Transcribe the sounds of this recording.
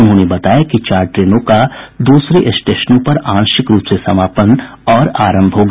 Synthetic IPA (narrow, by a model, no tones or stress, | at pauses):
nɦõːnebɐt̪aːjakit͡ʃaːɾʈɾeːnõkad̪uːsɾeʔɪsʈeːʃnõpɐɾãːnʃɪkɾuːpsesɐmaːpən | ɔːɾaːɾə̃mbʱɦoɡ